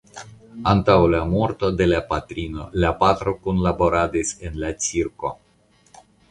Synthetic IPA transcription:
ant̪awlamoɾt̪o̞d̪e̞lapat̪ɾino̞lapat̪ɾokunlabo̞ɾad̪isenlat͡siɾko̰

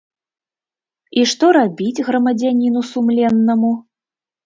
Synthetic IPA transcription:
iʂt̪ɔɾabʲid͡zʲɣɾɐmɐd͡zʲanʲinusumlʲɛnːɐmu

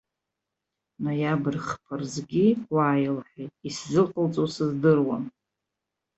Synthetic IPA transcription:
najabɨrχpʰarzɡʲiaːjlħejtʼiszɨqʼəlt͡sʼosɨzdɨrwa̰m

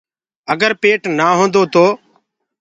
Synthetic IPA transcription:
əɡəɾpeːʈnaːɦõːnd̪oːt̪oː

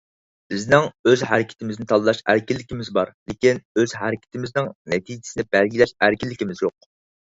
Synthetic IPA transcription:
b̥ɪznɪŋøzhæɾɪkʲʰɪ̥t̪ʰɪmɪznɪt̪ʰɑlˠɨlˠɑʃæ̰ɾkʲilːɪkʲimɪzbɑɾlɪkʲinøzɦæɾɪkʲʰɪ̥t̪ʰɪmɪznɪŋnɛt̪ʰid͡ʒʰɪ̥sɪnɪbælɡʲilɛʃæɾkʲilːɪkʲimɪzjoq̚

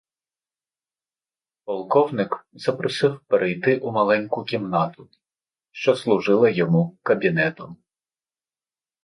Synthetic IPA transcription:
pɔlˠkɔwnɪkz̥ɐpɾɔsɪwpeɾʔejt̪ɪʔʊmɐlˠɛnʲkʊkʲimnɑt̪ʊ | ʃt͡ʃɔslˠʊʒɪlˠɐjɔmukɐbʲinɛt̪ɔm

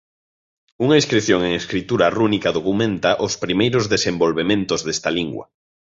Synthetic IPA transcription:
uŋaiskɾiθjoŋeŋeskɾit̪uɾɐrunikaðokumẽnt̪aʔʊspɾimejɾʊzðesembolβemẽnt̪ʊzðest̪ɐliŋɡwɐ̰

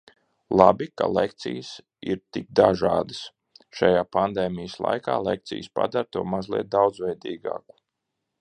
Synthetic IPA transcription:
lˠabika̰lˠek̚t̪sḭjəs | ḭɾt̪ik̚d̪aʒaːd̪əs | ʃajaːpand̪ɛːmʲijəslˠa̰jkaːlˠek̚t̪sḭjspa̰d̪aɾt̪uɔmazlˠiɛt̪̚d̪awd̪zvɛjd̪iːɡa̰ːku̥

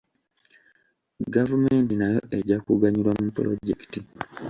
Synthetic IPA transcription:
ɡavume̞ːntinajo̞̰ʔe̞ɟakuɡaɲilwamupuɾo̞̰ɟe̞ki̥ti

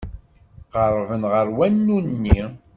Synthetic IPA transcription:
ʁəɾˤvənʁəɾwænːunnːi

